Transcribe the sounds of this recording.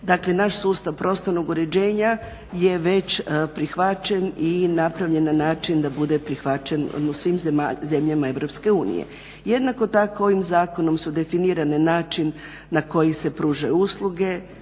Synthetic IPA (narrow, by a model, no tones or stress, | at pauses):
d̪akle̞naʃsuːst̪aʋpɾʔo̞st̪oɾnoɡuɾe̞d͡ʑeːɲa | je̞ʋe̞t͡ɕpɾixʋat͡ɕe̞ninapɾaʋʎe̞nanaːt͡ʃind̪abud̪epɾixʋat͡ʃenusʋimzemaze̞mʎamae̞ʋɾo̞pske̞uːnḭjḛ | jed̪nako̞t̪akoo̞ʋimzaːko̞no̞msud̪e̞finiːɾane̞naːt͡ʃinː | ako̞jise̞pɾuːʒajuuslˠuɡe̞